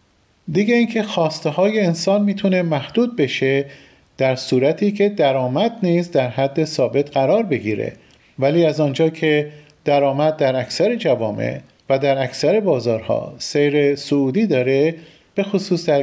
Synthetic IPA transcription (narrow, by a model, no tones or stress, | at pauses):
d̪iːɡeiːncʰe̞xɒːst̪eɦɒːje̞ːnsɒːnmiːt̪ʰune̞mæhd̪uːd̪̚be̞ʃe | d̪̥æɾsuːɾæt̪ʰiːcʰe̞d̪æɾɒːmæd̪niːzd̪æɾɦæd̪ːe̞sɒːbe̞t̪ʰɢæɾɒːɾbe̞ɡiːɾḛ | væliːæzɒːnd͡ʒɒːcʰe̞ | d̪̥æɾɒːmæd̪̚ːæɾækʰsæɾe̞d͡ʒævɒːmʔḛʔ | væd̪æɾæksæɾe̞bɒːzɒːɾhɒ̰ːsejɾesouːd̪iːd̪ɒːɾe̞ | b̥e̞xosuːsd̪æ